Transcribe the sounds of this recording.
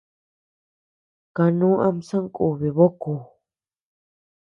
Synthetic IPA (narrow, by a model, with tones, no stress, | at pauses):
ka˧nũː˦ʔa˧m˦sa˦ŋ˦kʼu˨βi˨βo˦ku˨